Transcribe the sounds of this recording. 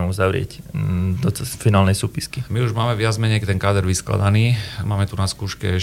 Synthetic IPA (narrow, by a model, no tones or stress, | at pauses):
muzaʋɾɪɛ̰cd̪ɔt͡sfinaːlnɛjsuːpiskimiuʒmaːmɛʋɪad͡zmɛɲɛjt̪ɛnkaːd̪ɛɾʋiskla̰d̪aniːmaːmɛt̪unaskuːʃkɛ̰